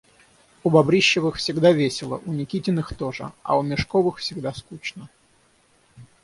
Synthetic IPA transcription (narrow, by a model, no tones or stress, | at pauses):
ʊbɐbɾʲiɕːɪvɨxfsʲɪɡd̪avʲesʲɪlˠə̰ʔʊnʲɪkʲitʲɪnɨxt̪oʐɨ̰ɐ̰ʊmʲɪʂkovɨxfsʲɪɡd̪askut͡ɕnə